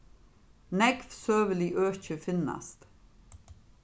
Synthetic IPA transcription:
nɛɡfsøːʋəliːʔøːçəfɪna̰st̪

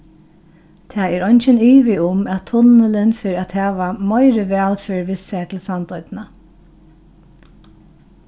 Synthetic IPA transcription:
t̪ʰaːɛɹɔjnt͡ʃəniːʋɪʊmæt̪ʰːʊnəlɪnfɪɹæt̪hæːʋamɔɪɾəʋɛːlfɪɹʋɪsat̪ʰɪlsand̪ɔʏd̪nə

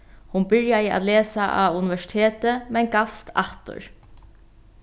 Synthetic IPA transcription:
hʊnbɪɹjaɪa̰t̪leːsaʔa̰unɪʋɛʂɪ̥t̪ʰeːt̪əmɛnɡafst̪aht̪ʊ̰ɹ

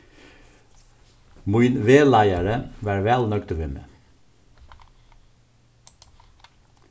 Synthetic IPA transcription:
muʏnʋeːlæɪəɹəʋæːɹʋɛlnœkt̪ʋɛmə̰

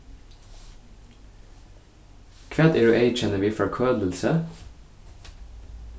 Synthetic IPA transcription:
kʰʋɛːt̪ɪɹʉʔeɪt͡ʃɛnəʋiːfɔɾkʰøːd̪l̩sə

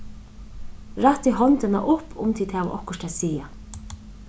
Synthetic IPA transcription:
ɾaht̪iɦɔnt̪ɪna̰ʔʊpʰʊ̰mt̪ʰiːt̪haːʋa̰ʔɔhkʊʃt̪ɛːsiːa

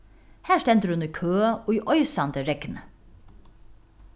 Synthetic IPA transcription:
hæːʂtɛnt̪ɾʉʉnəkʰøːoːiːʔɔʏsɑnd̪əɾɛkən̩ə

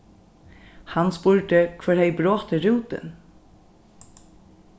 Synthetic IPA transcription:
hɑnspuɹɖəkʰʋœɾhɛɪbɾoːt̪əɾuːt̪ə̰n

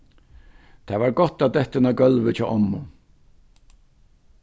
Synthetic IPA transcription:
t̪ʰaːvaɾɡɔt̪ad̪ɛht̪ɪnaɡœlʋɪt͡ʃʰɔːʔɔmːʊ

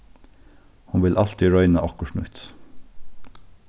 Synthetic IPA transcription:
hʊnʋɪlʔɑlt̪ɪɹœʏnəʔɔkəʃɳ̩ʉ̰ːt̪

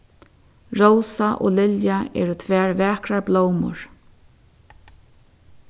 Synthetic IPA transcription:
ɹowsaʔɔ̰lɪljaɛ̰ːɾʊt̪ʰʋɛːɹvɛːkɾaɹblowmʊ̰ɹ

